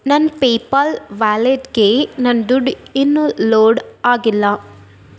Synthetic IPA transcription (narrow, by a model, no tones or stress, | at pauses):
nɐnpeːpalʋaːleɖkeːnɐnd̪ʊɖɪnːuloːɖaːɡɪlːɐ